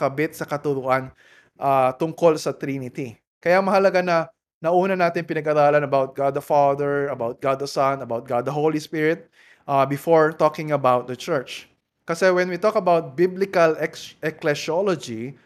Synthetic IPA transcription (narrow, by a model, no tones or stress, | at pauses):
kɐbɪt̪sɐkɐt̪ʊɾʊʔan | ʔat̪ʊŋko̞lsɐt̪ɾinɪt̪i | kɐjamɐhɐlɐɡanɐ | nɐʔuːnɐnaːt̪ɪŋpɪnɐɡʔɐɾaːlɐnɐbawt̪̚ɡad̪̚ːɐfaðɛɹɐbawt̪̚ɡad̪ːɐsɐnɐbawt̪̚ɡad̪d̪ɐɦowlispɪɹɪt̪̚ | ʔabɪfoɹt̪okɪ̃ŋɐbawt̪̚d̪ɐt͡ʃɛɹt͡ʃ | kɐsɛwɛnwit̪okɐbawt̪̚biblɪkɐlɛɛklɛʃolod͡ʒi